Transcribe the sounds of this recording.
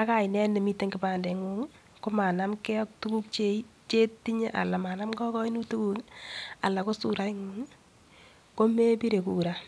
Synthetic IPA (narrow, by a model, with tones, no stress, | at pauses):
a˦ka˦˨i˨nɛ˦ne˨mi˦te˦ŋɡi˨paː˨ndɛ˨ŋu˦ŋ˦ | ko˦ma˨na˦mkɛ˦ɔ˦k̚tu˦ku˦k̚t͡ʃe˦i˦t͡ʃe˦ti˦ɲe˦ʔa̰˨la˨ma˨na˦mkɔ˦kɔ˦i˦nu˦tu˦ku˦ŋ˦a̰˨la˨ko˦su˨ɾa˦i˦ŋu˦ŋi˦ | ko˦me˦pi˦ɾe˨ku˨ɾa˨